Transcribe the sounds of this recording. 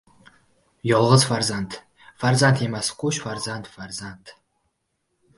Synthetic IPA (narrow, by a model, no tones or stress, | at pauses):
jɔlˠʁəzfarzant̪ʰ | farzant̪ʰemasqʷuʃfarzant̪farzant̪ʰ